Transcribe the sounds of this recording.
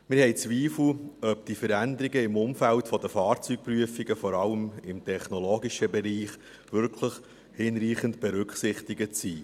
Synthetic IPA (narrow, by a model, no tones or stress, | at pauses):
mɪɾhɛɪt͡sʋiːfl̩œp̚d̥ifəɾænd̪əɾiɡəɪmʊmfæltfɔd̪əfɑːɾt͡syːk̚pryəfiɡəfɔɾɑləmɪmtʰɛχnɔloːɡiʃəbɛɾiːχ | ʋʏɾkʰləχ | hɪnɾiːχəntb̥ɛɾʉkχsɪχt̪iɡətsiː